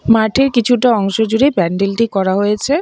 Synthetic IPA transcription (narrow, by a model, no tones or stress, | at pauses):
maɾʈʰeɾkit͡ɕʰuʈaɔŋʃod͡ʑuɽibɛɳɖilʈikɔɾaɦojet͡ɕʰe